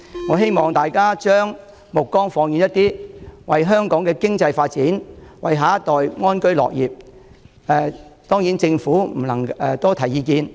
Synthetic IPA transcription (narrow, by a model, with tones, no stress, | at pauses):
ŋɔː˨˧ɦe˥jmɔː˨ŋt̪aː˨˩jkaː˥t͡ʃœː˥ŋ | mʊ˨kːɔː˥ŋfɔː˧ŋjiː˨njɐ˥t̪iː˥wɐ˨jɦœː˥ŋkɔː˨˥ŋkɛː˧kɪ˥ŋt͡sɐ˧jfaː˧t̚t͡siː˨˥nwɐ˨jɦaː˨˥t̪ɔː˨jŋɔː˥nkɵ˥ɥlɔ̰ː˨k̚jiː˨p̚ | ɛ˨t̪ɔː˥ŋjiː˨˥nt͡sɪ˧ŋfuː˨˥m̩˨˩nɐ˨˩ŋɛ˨˧t̪ɔː˥t̪ʰɐ˨˩jiː˨˧kiː˧n